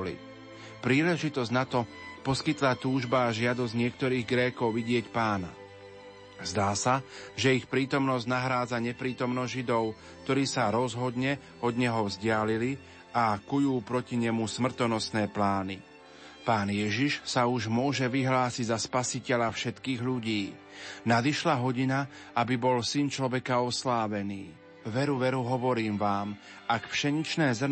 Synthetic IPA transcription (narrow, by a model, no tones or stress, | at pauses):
lḭ | pɾiːlɛʒit̪ɔzɟnat̪ɔpɔskit̪lat̪uːʒbaːʒɪad̪ɔzɟɲɪɛkt̪ɔɾiːɣɡɾɛːkɔʊʋiɟɪɛcpaːna | zd̪aːsaʒɛixpɾiːt̪ɔmnɔzɟnaɦɾaːd͡zaɲɛpɾiːt̪ɔmnɔzʒid̪ɔʊ | k̚t̪ɔɾiːsaɾɔzɦɔd̪ɲɛ | ɔd̪ɲɛɦɔvzɟɪalili | akujuːpɾɔciɲɛmusmr̩t̪ɔnɔsnɛːplaːni | paːnjɛʒiʃsauʒmʊɔʒɛʋiɦlaːsiɟzaspasicɛʎafʃɛt̪kiːɣʎuɟiː | nad̪iʃlaɦɔɟina | abibɔlsint͡ʃlɔʋɛkaɔslaːʋɛniː | ʋɛɾuʋɛɾuɦɔʋɔɾiːmʋaːm | akfʃɛɲit͡ʃnɛːz